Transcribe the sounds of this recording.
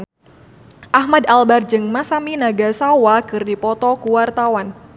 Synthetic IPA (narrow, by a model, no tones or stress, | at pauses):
ʔaɦmadalbard͡ʒɨŋmasaminaɡasawakɨrdipɔt̪ɔkuwart̪awan